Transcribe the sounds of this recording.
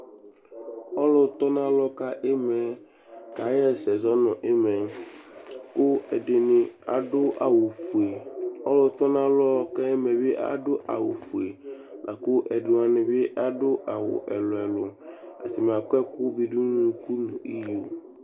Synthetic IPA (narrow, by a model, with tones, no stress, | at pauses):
ɔ˦lʊ˨t̪ɔ˦na˦lɔ˦ka˦ʔɪ˦mɛ˨ | ka˨˦jɛ˦˨sɛ˨zɔ˦nʊ̃˨ʔɪ˦mɛ˨ | kʊ˦ɛ˨dɪ˨nɪ˨a̰˨dʊ˦a̰˨wʊ˨fu˨e˨ɔ˦lʊ˨˦t̪ɔ˦na˦lɔ˦kɛ˦ɪ˦mɛ˨bɪ˦ʔa̰˦dʊ˦ʔa̰˨wʊ˨fu˨e˨nʔa̰˨kʊ˦ʔɛ˨dʊ˨a˨nɪ˨bɪ˦ʔa˦dʊ˦ʔa˨wʊ̰˨ʔɛ˨lʊ˨ɛ˨lʊ˨a̰˨tɪ˨m˨a˨kɛ˦kʊ˦bi˨du˦nu˨ku˦nʊ̃˨i˦jo˨